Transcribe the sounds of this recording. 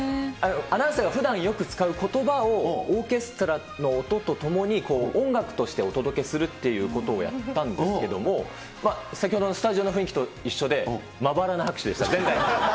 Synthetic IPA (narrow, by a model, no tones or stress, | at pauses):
ano̞anaseɡaɸɯ̟d̪ãɰ̃jo̞kɯ̟t͡sɨ̥kaɯ̟ko̞t̪o̞bao̞oːke̞sɨ̥t̪o̞ɾa | no̞ːt̪o̞t̪o̞t̪o̞mo̞ɲ̟iko̞ːõ̞ŋɡakɯ̟̥t̪o̞ɕi̥t̪e̞o̞t̪o̞d̪o̞ke̞sɨɾɯ̟t̪ːe̞jɯ̟ːko̞t̪o̞ːja̰t̪ːãnd̪e̞sɨke̞d̪o̞mo̞ | masakʲihod̪onosɨ̥t̪aʑio̞no̞ɸɯ̟ĩkʲi̥t̪o̞iɕːo̞d̪e̞ | mabaɾanahakɯ̥ɕid̪e̞ɕit̪azẽ̞nd̪ai